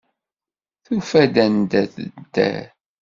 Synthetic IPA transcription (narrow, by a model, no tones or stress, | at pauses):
θufæd̪ænd̪æθəd̪ːæ̰